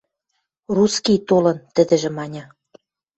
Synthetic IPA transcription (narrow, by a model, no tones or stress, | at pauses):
ruskijt̪olɤ̆nt̪ə̆d̪ɘ̆ʒĕmɑnʲɤ̆